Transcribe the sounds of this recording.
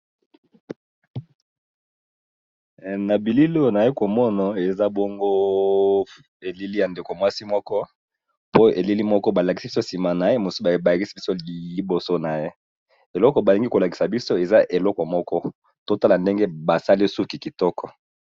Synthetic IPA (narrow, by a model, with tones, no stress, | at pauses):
na˨bi˨li˦lo˦˨na˨je˦ko˨mɔ˦na˨e˨za˦bɔ˦ŋɡo˦ | e˨li˦li˦ja˨nde˨ko˨mwa˦si˦mɔ˦kɔ˦ | po˦e˨li˦li˦mɔ˦kɔ˦ba˨la˨ki˨si˦bi˦so˦si˨ma˨na˨je˦mo˨si˦ba˨ba˨ki˦si˦i˦so˦i˨bo˨so˦na˨je˦ | e˨lɔ˦kɔ˨ba˨li˨ŋɡi˦ko˨la˨ki˨sa˨bi˦so˦e˨za˦ʔe˨lɔ˦kɔ˨mɔ˦kɔ˦ | to˦ta˦la˨nde˦ŋɡe˦ba˨sa˦li˦su˦ki˨ki˨tɔ˦kʰɔ˨